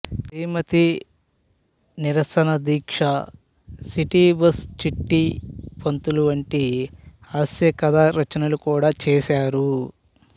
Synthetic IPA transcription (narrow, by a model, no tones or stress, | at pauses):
t̪iːmɐt̪i | niɾɐsɐnɐd̪iːkʂɐ | siʈiːbɐst͡ʃiʈːipont̪uluʋɐɳʈi | aːsjɐkɐd̪aːɾɐt͡ʃɐnɐlukuːɽaːt͡ʃɛːsaːɾu